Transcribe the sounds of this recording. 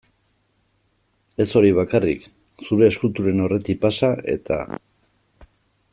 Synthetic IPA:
e̞so̞ɾiβ̞akarḭk | suɾe̞ːskult̪uɾe̞no̞re̞t̪ipasae̞̰t̪ʰa̰

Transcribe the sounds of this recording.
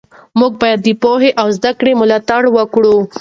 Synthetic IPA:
muɡ̚bɑjad̪ːepoɦeʔawzd̪akɽemʊlɑt̪aɽwəkɽu

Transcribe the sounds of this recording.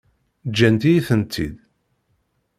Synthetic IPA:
d͡ʒːænt̪ijiθənt̪ʰːḭd̪

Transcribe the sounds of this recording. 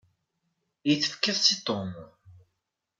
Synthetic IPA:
jəθːə̥fkːəðsit̪ˤom

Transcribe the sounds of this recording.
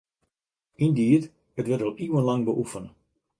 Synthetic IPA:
indiːət | ətʋɛtɔlˠʔiwənlɑŋbəʔufənə

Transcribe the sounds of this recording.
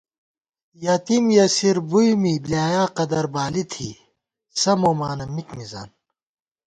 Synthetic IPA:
jat̪imjɐsiɾbujmibliaːjaːqɐd̪ɐɾbaːlit̪ʰi | sɐmoːmaːnɐmikmiza̰ːn

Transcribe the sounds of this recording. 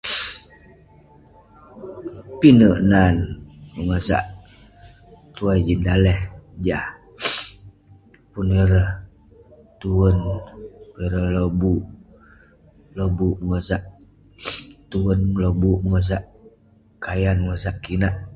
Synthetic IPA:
pinəʔnanməŋəsa̰ʔ | t̪uajd͡ʒind̪alɛhd͡ʒah | punəɾəh | t̪uwənpiɾəhlobuʔ | lobuʔməŋəzaʔ | t̪uwənlobuʔməŋəs̬aʔ | kajanməŋəsaʔkinaʔ

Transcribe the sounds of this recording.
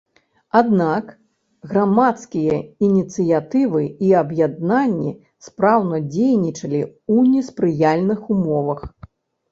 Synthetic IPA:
ad̪nak | ɣɾamat̪skʲijɐinʲit̪sɨjat̪ɨvɨiɐbjad̪nanʲːḭ | spɾawnɐd͡zʲejnʲit͡ʂɐlʲiunʲɛspɾɨjalʲnɨxumɔvɐx

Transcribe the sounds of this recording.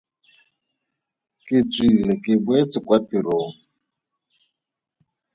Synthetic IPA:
kɪt͡sʼilɛkɪbwet͡sɪkwatiɾoːŋ̩

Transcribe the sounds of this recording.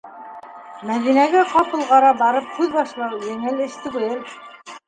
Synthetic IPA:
mæðinæɡæqɑpɤ̆lˠʁɑɾɑbɑɾɤp̚kʉðbɑʃlˠɑwjɘ̆ŋɘlɘ̆ʃt̪ɘ̆ɡlɘl

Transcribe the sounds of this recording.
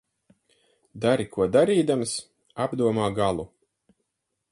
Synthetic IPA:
d̪aɾikʰuɔd̪aɾiːd̪ams | abd̪uɔmaːɡalˠu

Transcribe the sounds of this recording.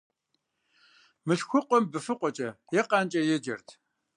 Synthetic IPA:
mɨɬxʷʊqʷʼɔmbɨfɨqʷɔt͡ʃʼɐjɛqʼant͡ʃʼɐjɛd͡ʒɐ̰rtʰ

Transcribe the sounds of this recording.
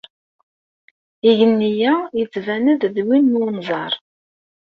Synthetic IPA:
iʝənːijæjət͡sːvænəððwinːunzˤɑɾˤ

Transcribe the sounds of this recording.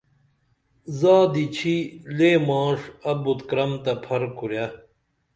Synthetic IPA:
zaːd̪it͡ɕʰileːmãːʂɐbut̪kɾɐmt̪ɐpʰɐɾkuɾja

